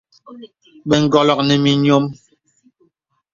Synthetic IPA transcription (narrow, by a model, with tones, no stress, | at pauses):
ɓɛ˨ŋ̩˨ɡɔ˨lɔ˨k̚nɛ˨mi˨ɲo˦m